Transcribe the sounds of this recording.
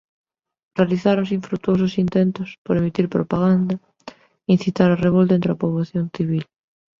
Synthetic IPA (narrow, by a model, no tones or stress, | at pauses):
realiθaɾoŋsĩɱfɾut̪uososint̪ent̪ospoɾemit̪iɾpɾopaɣ̞and̪a | in̟θit̪aɾareβ̞olt̪ent̪ɾoapoβ̞laθjonθiβil